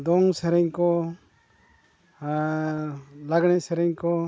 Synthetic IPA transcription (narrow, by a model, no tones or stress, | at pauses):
d̪ɔŋsɛɾɛɲkɔ | laɡɽ̃ɛsɛɾɛɲkɔ